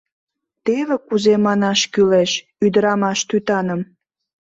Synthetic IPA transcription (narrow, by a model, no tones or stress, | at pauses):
t̪eβekuzemɑnɑʃkyleʃ | yd̪əɾɑmɑʃt̪yt̪ɑnə̆m